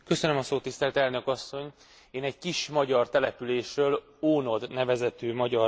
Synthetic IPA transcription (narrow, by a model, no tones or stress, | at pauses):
kø̞sønømɒsoːt̪ːist̪ɛlt̪ɛlnø̞kɒsːo̞ɲ | eːnɛɟkiʃmɒɟɒrt̪ɛlɛpyleːʃrøːl | oːno̞d̪nɛvɛzɛt̪øːmɒɟɒr